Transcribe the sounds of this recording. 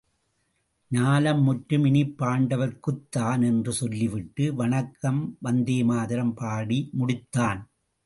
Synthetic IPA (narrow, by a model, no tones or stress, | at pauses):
ɲaːlɐmːʊʈɾɯmɪnɪpːaːɳɖɐʋɐɾkɯt̪ːaːnɛndrɯsɔlːɪʋɪʈːɯʋɐɳɐkːɐmʋɐnd̪eːmaːðɪɾɐmpaːɽimʊɽɪt̪ːaːn